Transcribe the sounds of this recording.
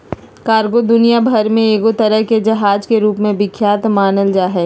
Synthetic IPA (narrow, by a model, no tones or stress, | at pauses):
kaːɾɡod̪ʊnijabʱɐɾmẽeːɡot̪ɐɾəɦked͡ʒɐɦaːd͡ʒkeɾuːpmẽbɪkʰjaːt̪maːnəld͡ʒaːɦɛː